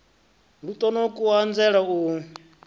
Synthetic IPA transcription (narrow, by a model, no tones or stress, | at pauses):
ɺut̪ʼɔnɔkʼuand͡zɛɺau